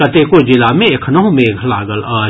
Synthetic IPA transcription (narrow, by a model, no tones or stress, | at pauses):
ɐt̪ekod͡ʒɪlamẽekʰnɔɦũmẽːɡʱla̰ːɡəlaː